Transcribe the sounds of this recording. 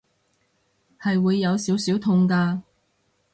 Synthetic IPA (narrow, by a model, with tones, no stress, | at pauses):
hɐ˨jwuː˨˧jːɐ˨˧wsiː˨˥wsiː˨˥wt̪ʰʊ˧ŋkaː˧